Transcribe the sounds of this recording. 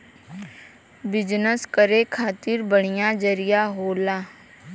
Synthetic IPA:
bɪd͡ʒnəskəɾekʰaːt̪ɪɾbəɽ̤̃ijad͡ʒəɾijaɦoːlaː

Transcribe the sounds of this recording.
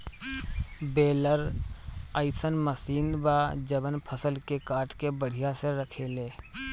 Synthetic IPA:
beːləɾ | əɪsənməsiːnd̪baːd͡ʒəbənpʰəsəlkekaːɾʈkebəɽ̤ijaseɾəkʰeːleː

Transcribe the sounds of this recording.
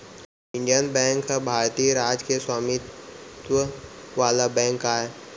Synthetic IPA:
ɪ̃ɳɖijənbɛ̃ːŋkabʱaːɾt̪ijəɾaːd͡ʒkeswaːmit̪ʋəʋaːlabɛ̃ːŋkaːe

